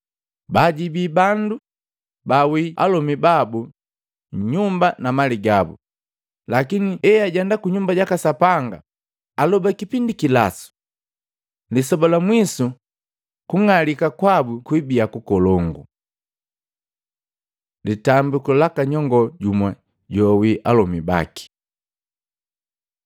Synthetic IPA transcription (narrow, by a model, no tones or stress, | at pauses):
baɟibibandu | bawia̰lɔmibabu | ɲumbanamaliɡabṵ | lakiniɛjaɟɛndakuɲumbaɟakasapaŋɡa̰ | alɔbakipindikila̰su̥ | lisɔbɔlamwisu | kuŋalikakwabukwibiakukɔlɔŋɡṵ | litambukɔlakaɲɔŋɡɔɟumwa | ɟɔwiʔalɔmiba̰ki̥